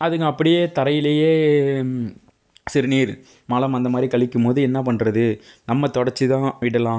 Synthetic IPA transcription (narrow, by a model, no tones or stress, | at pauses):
ɐðɯŋɡɐɐpːɐɽɪjeːt̪ɐɾɐjɪlejeː | sɪɾɯniːɾ | mɐlɐmɐnd̪ɐmaːd̪ɾikɐɭɪkːɯmpoːðɯɛnːɐpɐɳɾɐðɯnɐmːɐt̪ɔɽɐɾt͡ʃːɯt̪ãːʋɪɽɐlãː